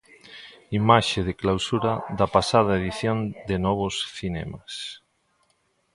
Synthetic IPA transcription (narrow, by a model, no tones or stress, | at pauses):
imaʃeðeklawsuɾaðɐpasað̞aeðiθjond̪enɔβ̞ʊsθinɛ̰mas